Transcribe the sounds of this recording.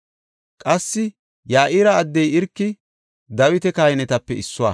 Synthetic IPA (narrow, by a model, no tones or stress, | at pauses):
kʼɐsːɪ | jaːʔiːɾɐːd̪ːɛjɪɾkːɪ | d̪ɐwɪt̪ɛkaːjɛnɛt̪ɐpːɛɪsːʊwaː